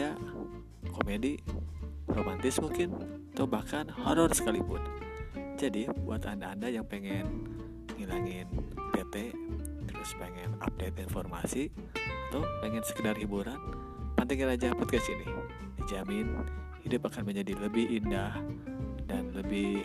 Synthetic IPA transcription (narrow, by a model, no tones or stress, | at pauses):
a | komedi | romant̪ɪsmuŋkɪnat̪aubahkanhoɾɔrsə̥kalipʊ̰nd͡ʒadibuat̪andaːndajaŋpeŋɛn | ŋilaŋɪnbet̪eɾuspeŋɛna̰p̚det̪̚infɔrma̰si | at̪apeŋɛnsə̥kədarhibuɾan | pant̪aŋinad͡ʒapɔt̪̚kast̪ḭni | dizamɪn | hidʊpakanməɲd͡ʒadiləbɪhindahdanləbɪ